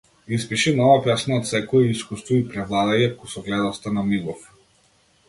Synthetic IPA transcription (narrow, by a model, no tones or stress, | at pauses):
ispiʃinɔvapɛsnaɔt̪sɛkɔɛiskust̪vɔipɾɛvlˠad̪ajakusɔɡlɛd̪ɔst̪anamiɡɔf